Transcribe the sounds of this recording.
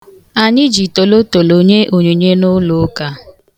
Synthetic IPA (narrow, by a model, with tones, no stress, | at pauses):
a˨ɲɪ˦d͡ʒi˨to˨lo˦to˨lo˨ɲe˦ʔo˨ɲe˨ɲe˦nʊ˦lʊ˦ka˦